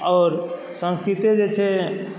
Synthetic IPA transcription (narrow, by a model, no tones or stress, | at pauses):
ɔːɾ | sə̃nskɾit̪ed͡ʒet͡ʃʰɛ